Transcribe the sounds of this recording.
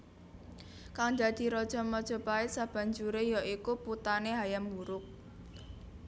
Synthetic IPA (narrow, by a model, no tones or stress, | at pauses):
kaŋd̪a̤d̪̥i̤ɾɔd̥ʒ̥ɔ̤mɔd̥ʒ̥ɔ̤paɪt̪sab̥a̤ɲd͡ʒuɾejɔʔikuput̪aneɦajambuɾʊk̚